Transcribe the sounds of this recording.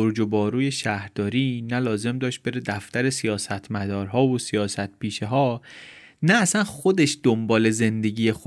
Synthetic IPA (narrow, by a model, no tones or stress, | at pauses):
oɾd͡ʒobɒːɾuːje̞ʃæhɾd̪̥ɒːɾiːnælɒːze̞md̪ɒːʃt̪̚b̥e̞ɾed̪æft̪æɾe̞sijɒːsæt̪ʰmæd̪ɒːɾɦɒːvosijɒːsæt̪̚piːʃeɦɒː | næːsænxod̪e̞ʃd̪̥ombɒːle̞ze̞nd̪e̞ɟiːjexo